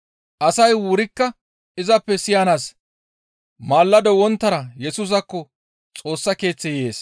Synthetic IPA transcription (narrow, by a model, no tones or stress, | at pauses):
ʔɐsɐjwʊɾɪkːɐ | ɪzɐpːɛsɪjanaːs | maːlːɐd̪ɔwɔnt̪ːɐɾɐjɛsʊs̬ɐkːɔ | t͡sʼo̞ːsːɐke̞ːt͡sːɛje̞ːs